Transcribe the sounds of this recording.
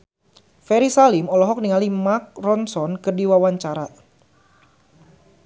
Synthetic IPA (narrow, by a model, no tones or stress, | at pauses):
fɛɾisalimɔlɔɦɔk̚niŋalimak̚rɔnsɔnkərdiwawaɲt͡ʃaɾa